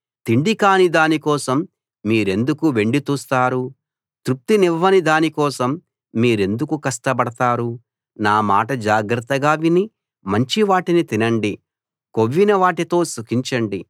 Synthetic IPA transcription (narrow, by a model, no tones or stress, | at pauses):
t̪iɳɖikaːnid̪aːnikɔːsɐmː | iːɾe̞nd̪ukuʋe̞ɳɖit̪uːst̪aːɾu | t̪ɾup̚t̪iniʋːɐnid̪aːnikɔːsɐmː | iːɾe̞nd̪ukukɐsʈɐpɐɽɐt̪aːɾu | naːmaːʈɐd͡ʒaːɡɾɐt̪ːɐɡaːʋini | mɐɲt͡ʃiʋaːʈinit̪inɐɳɖi | ko̞ʋːinɐʋaːʈit̪o̞ːsukiɲt͡ʃɐɳɖi